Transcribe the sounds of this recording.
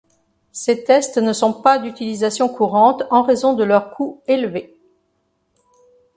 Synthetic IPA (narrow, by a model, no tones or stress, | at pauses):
set̪ɛst̪nəsɔ̃pad̪yt̪ilizasjɔ̃kʰuʁɑ̃t̪ɑ̃ʁezɔ̃d̪əlœʁkʰuelve